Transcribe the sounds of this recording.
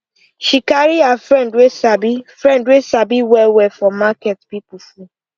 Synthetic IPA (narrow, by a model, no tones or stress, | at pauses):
ʃikaɾiafɹɛ̃ndwesabifɹɛ̃ndwesabiwɛwɛfɔ̃makɛtpipufũ